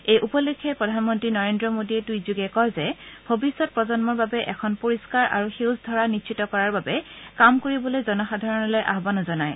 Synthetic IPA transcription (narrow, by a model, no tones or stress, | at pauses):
ejʔupɔlekʰːɛpɹɔdʱanmɔntɹinɔɹendɹɔmodiɛtujzuɡɛkɔɹzɛbʱobisːɔt̚pɹɔzɔnmɔɹbabɛʔɛkʰɔnpoɹiskaɹʔa̰ɹuxewsdʱɔɹanisʰitɔkɔɹaɹbabɛkamkoɹibɔlojzɔnɔxadʱaɹɔnɔlojʔa̰ɦbanɔzɔnaj